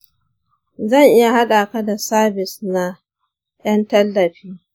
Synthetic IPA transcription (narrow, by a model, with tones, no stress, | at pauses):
zɐ˦˨ŋʔɪ˦ja˨ha˦ɗaː˨ka˦da˨saː˦bɪ˨sna˦ | j̰ɐ˦ntɐ˦lːɐ˨ɸiː˦